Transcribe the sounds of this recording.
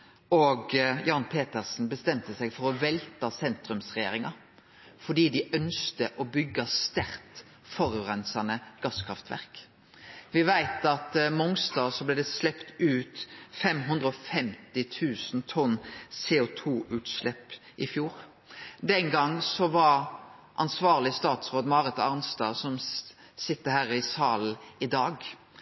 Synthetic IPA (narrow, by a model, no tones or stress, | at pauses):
ɔɡjɑːnpʰeːt̪əʁsn̩bəst̪ɛmt̪əsɛɡfɔɾɔʋɛlt̪ɑsɛnt̪ɾʉmsʁɛjeːɾɪŋɑ | fɔɖ̪iːd̪ɪʔœnskt̪əʔɔbʏɡːɑst̪æɾt̪ | fɔɾʁɛnsɑnəɡ̥ɑskʰʁɑft̪ʰʋæ̰ʁk | ʋɪʋæɪt̪ɑt̪mʊŋsd̪ɑːsɔblɛːd̪ɛslɛpt̪ʉːt̪fɛmɦʉnd̪ʁəɔfɛmt̪ɪt̪ʰʉːsn̩t̪ʰɔnːseːʊt̪ʰuːʔʉːt̪slɛpː | ʔɪfjuːʁ | d̪ɛŋɡɑŋːsɔʋɑɾ | ʔɑnsʋɑːʁlɪst̪ɑːt̪sʁoːd̪mɑːʁɛt̪ɑʁnst̪ɑːsɔm | sɪt̪ːəhæːɾɪsɑːln̩ɪd̪ɑːɡ